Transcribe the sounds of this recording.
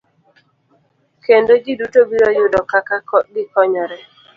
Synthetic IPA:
kendoɡidutobiɾɔjʊdɔkakaɡɪkɔɲɔɾɛ

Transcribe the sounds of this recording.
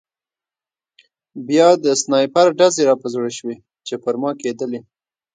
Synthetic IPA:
bjɑd̪əsnɑjpaɾɖazeɾɑpəzɽeʃwe | t͡ʃepəɾmɑked̪əle

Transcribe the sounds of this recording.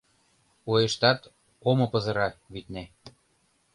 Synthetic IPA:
ojeʃt̪ɑt̪ | omɤ̆pɤ̆zɤ̆ɾɑβit̪næ

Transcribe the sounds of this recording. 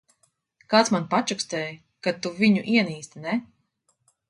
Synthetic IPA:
kaːt̪smanpat͡ʃukst̪ɛːj | kat̪uviɲuʔiɛniːst̪inɛ

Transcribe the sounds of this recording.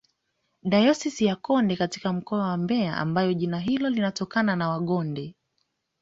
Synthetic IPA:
ɗajɔsisijakɔndɛkati̥kam̩kɔawambɛaʔa̰mbajɔʄinaɦilɔlinatɔkananawaɠɔndɛ

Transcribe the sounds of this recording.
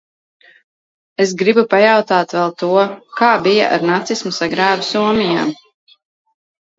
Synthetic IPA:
esɡɾibupajawt̪aːt̪vɛlˠt̪uɔkaːbija̰ʔa̰ɾnat̪sismusaɡɾaːvusuɔmʲija̰ːm

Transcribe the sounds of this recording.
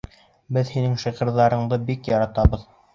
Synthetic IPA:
bɘðhinɘŋʃiʁɤ̆ɾðɑɾɤ̆ɴd̪ɤbikjɑɾɑt̪ɑβɤð

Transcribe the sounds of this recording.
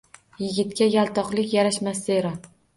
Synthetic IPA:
jɪɡʲɪt̪kʲajalˠt̪ʰɒqlɪkʲjaɾaʃmaseɾɒ

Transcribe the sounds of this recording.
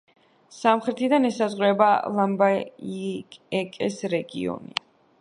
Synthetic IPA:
samχɾɛt̪ʰid̪anɛsazʁɾɛbalˠamba | kʼɛkʼɛsɾɛɡiɔ̰nḭ

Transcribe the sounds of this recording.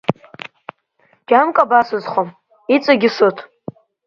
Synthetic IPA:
d͡ʒ̥ʲamkʼabasʊzχʷom | it͡sʷʼaɡʲɪsotʰʼ

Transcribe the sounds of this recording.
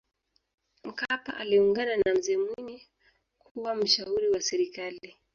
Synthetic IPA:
m̩kapa̰ʔaliuŋɡananam̩zɛmwini | kʰuwam̩ʃauɾiwasɛɾikali

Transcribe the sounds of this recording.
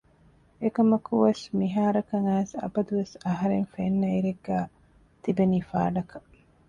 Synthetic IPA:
ekɐmɐkuʋɐsmiɦaːɾɐkɐŋæːsɐ̰bɐd̪uʋesɐɦɐɾenfenːɐiɾeɡːæː | t̪ibeniːfa̰ːɖɐkɐ

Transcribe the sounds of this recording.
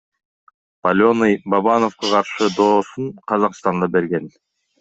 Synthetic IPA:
palʲonɯjbɑβɑno̞fqɑqʰɑɾʃɯd̪o̞ːsuɴqʰɑzɑqst̪ɑnd̪ɑbe̞ɾɡen

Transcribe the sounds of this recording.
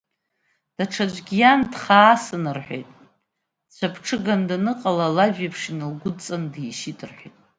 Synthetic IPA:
d̥aʈ͡ʂʰad͡ʒʷɡʲijandχaːsɨnɨrħʷᶣejtʼ | t͡ɕʷʰapʰʈ͡ʂʰɨɡandanɨqʼalalaʒᶣapʰʂinɨlɡʷʊt͡sʼandiʃidʰʼɨrħʷejtʼ

